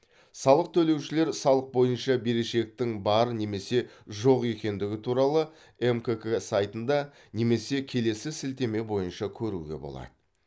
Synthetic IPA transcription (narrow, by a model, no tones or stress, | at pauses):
sɑlˠəq̚t̪ʰɵle̞wʃɪle̞ɾsɑlˠəq̚bo̞jənʃɑbe̞ɾe̞ʃe̞k̚t̪ɪŋbɑɾəne̞me̞se̞ʒo̞qe̞kʲe̞nd̪ɪɡʲɪt̪ʰuɾɑlˠə | emkekesajt̪ənd̪ɑ | ne̞me̞se̞kʲʰe̞le̞sɪsɪlt̪e̞me̞bo̞jənʃɑkʲʰɵɾuɡʲe̞̰bo̞̰lˠɑ̰d̪̥ə